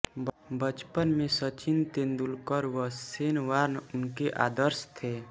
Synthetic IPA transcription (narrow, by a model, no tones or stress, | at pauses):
bət͡ʃpənmẽsət͡ʃɪnt̪ẽnd̪ulkəɾʋəeːnʋaːɾnʊnkeʔaːd̪əɾst̪ʰeː